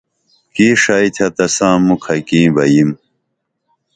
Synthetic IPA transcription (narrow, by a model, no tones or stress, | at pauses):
kiːʂait̪ʰɐt̪ɐsãːmukʰɐkĩːbɐjim